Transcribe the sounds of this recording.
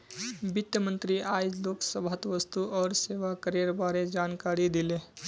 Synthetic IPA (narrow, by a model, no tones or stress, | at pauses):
bit̪jəmənt̪ɾiajd͡ʒloksəbʱət̪ʋəst̪uʔɔːɾseʋakəɾeɾbaɾed͡ʒankaɾid̪ile